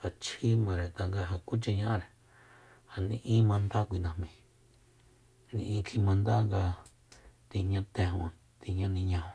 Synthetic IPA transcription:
ha˨t͡ʃʰi˦mã˨ɾe˨t̪a˧ŋɡa˧ɦa˨ku˦t͡ʃe˧ɲã˧˦˧ɾe˨ | ha˨nĩ˧ʔĩ˦mã˧nd̪a˦kʷi˧˨nã˧hmĩ˨ | nḭ̃˧ʔĩ˧kʰi˧mã˧nd̪a˦ŋɡa˧ | t̪i˧ɲã˧t̪ẽ˧ɦũ˧ | t̪i˧ɲã˦nĩ˧ɲã˧hõ˧

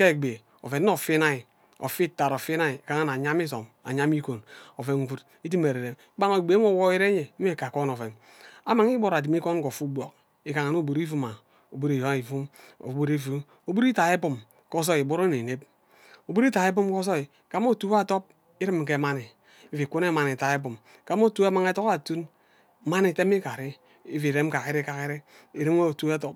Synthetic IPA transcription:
ke˦˨ɡ͡be˨ | o̰˨ve˨n˦o˨fi˦na˦i˨ | o̰˨fi˦ta˨ɾo˨fi˦na˦i˨ka˨ŋa˦na˨ɲa˦m˦i˦so̰˨m | a̰˨ɲa˦m˦i˦ko˨no˨fe˨ŋ˨ɡu˦t | i˦t̬i˦me˨ɾe˨ɾe˨m˦ba˦ŋo˨ɡ͡be˨˦mo˨wo˦i˦ɾe˦ɲe˨˦e˦˨ka˨ko˦no˨ve˨n | a˦ma˨ŋ˦i˦bo˦ɾa˨di˨m˦i˦ko˦n˦ko˨fu˦bʷo˨k̚ | i˨ka˨ŋa˨no˦˨bo˨ɾi˦fu˦ma˨ | o˨bo˦ɾi˨jo˨˦i˨fu˦mo̰˨˦bu˦ɾi˦vu˦ | o˨bu˦ɾi˦ta˨e˦pu˨m | ko˦s̬o˦i˨bu˦ɾo˦ne˨ne˦p̚ | o˨bu˦ɾi˦ta˨e˦p̬u˦m˦ko˦s̬o˦i˨ | ka˦m˦o˦tu˦a˦to˦p̚ | i˦ɾi˦m˨ke˨˦ma˦ni˨ | i˦vi˨ku˦ne˦ma˨n˨i˨ta˨e˦pu˨m | ka˦m˦o˦tu˦a˦ma˨ŋ˦e˦to˦ka˨tu˦n˦ | ma˦ni˨te˦m˦i˦ka˨ɾi˦ | i˦vi˨ɾe˦m̩˦ka˨ki˦ɾe˦ka˨ki˦ɾe˦ | i˨ɾe˦mo˦˨tu˦e˦to˦p̚

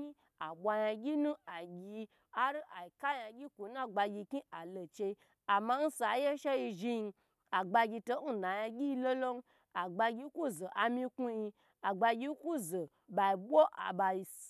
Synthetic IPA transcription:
i˦ | a˨bʷa˧ja˧ɡʲi˦nũ˦a˨ɡʲi˧ | a˦ɾi˦ʔa˨i˨ka˦ja˧ɡʲi˦kʷo˨˦na˦ɡ͡ba˧ɡʲi˧ki˦a˨lo˨t͡ʃe˧i˧ | a˨ma˧˦n̩˦sa˨˦je˦ʃe˦ji˧ʒi˧ | a˨ɡ͡ba˧ɡʲi˧to˧˦n̩˦˨na˨ja˧ɡʲi˦˧lo˦lo˦n˦ | a˨ɡ͡ba˧ɡʲi˧˦ku˦zo˨ʔa˨˧mĩ˧ku˧ji˧ | a˨ɡ͡ba˧ɡʲi˧˦ku˦zo˨ | ba˨i˨bʷo˦ʔa̰˨ba˧ji˧

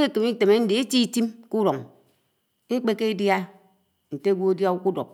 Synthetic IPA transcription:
e˦˨kɨ˨mi˦te˨me˦n̩˦di˨e˦ti˦ti˦mku˦ɾo˨ŋ | e˦k͡pe˦ke˦i˦dja˦ | n̩˨te˦ɡʷo˦e˦dja˦u˦ku˦dɔ̰˨p̚

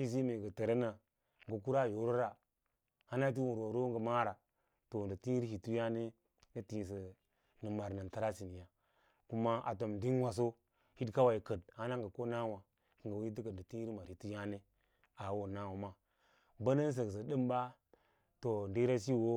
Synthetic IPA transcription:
i˦s̬i˦me˨ɡə˨tə˨ɾe˦na˨ | ŋ˨ɡə˨ku˦ɾa˦˨jo˨˦ɾo˦ɾa˨ | ha˦na˦t̬i˦wu˨ɾo˨ɾo˦ŋɡə˨ma˦ɾa˨ | to˨n˨də˨ti˦ɾhi˨tu˦ja˦ne˦ | nə˦ti˨s̬ə˨ | nə˨ma˨ɾnə˨ta˦ɾa˦si˨ni˨ja˨ | ku˦ma˦a̰˨t̬o˨mdi˦nwa˨s̬o˦ | hi˦dka˦wa˨i˨kə˨d̚ha˦na˦ŋɡə˨ko˦na˦wa˨ | kə˨ɡə˨wi˦ti˦kə˨n˨də˨ti˦i˦i˦ma˨hi˨tu˦ja˦ne˦ | a˨˦wo˨na˦wo˨ma˦ | bə˦nə˦n˦s̬ə˨ks̬ə˨də˦mba˦ | to˨nde˦ɾa˦si˦˨wo˦

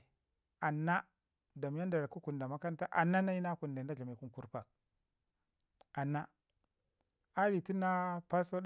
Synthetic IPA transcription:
a˨nːa˦ | da˨m˦ja˦nda˨ɾa˨ku˦ku˨nda˨ma˦ka˦nta˦ʔa̰˨nːa˦na˦ji˦na˦ku˨nda˨n˦da˦ɮa˨mi˨ku˦nku˦ɾpa̰˨k̚ | a˨nːa˦ | a˦ɾi˨ti˦na˦pa˦so˦d

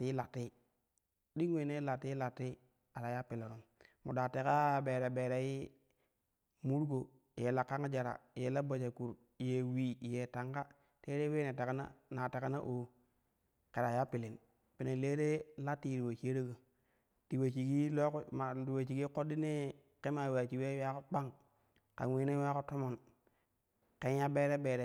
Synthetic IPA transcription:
ti˦la˨tːi˦ | di˦ŋwe˨ne˦la˨tːi˦la˨tːi˦ | a˨ɾa˨ja˦pi˨lo˨ɾo˨mmu˨da˨te˦ka˦be˨ɾa˨be˨ɾa˨ji˦ | mu˦ɾɡo˨ | je˨la˨kːa˦ŋa˦d͡ʒa˨ɾa̰˨je˨la˦ba˨d͡ʒa˨ku˨ɾ | je˨wi˨je˨ta˨ŋɡa˦ | te˦ɾe˦we˦ne˨ta˨ka˦na̰˦na˨ta˨ka˦na˦ʔo˨ | ke˨ɾa˨ja˦pi˨li˨n | pi˨ne˨le˦ɾe˦la˦ti˦˨ɾi˨wa˨t͡ʃi˦e˦ɾo˦ɡo˨ | ti˨we˨t͡ʃi˨ɡi˦lo˦kma˨ti˨we˨t͡ʃi˨ɡi˦ko˦di˦ne˦ | ke˦ma˨wa˨t͡ʃi˨we˦wa˦ko˦k͡pa˦ŋ | ka̰˨nwi˦ne˦wa˦ko˦to˦mo˨n | ke˦nja˦be˦ɾe˦be˨ɾe˨

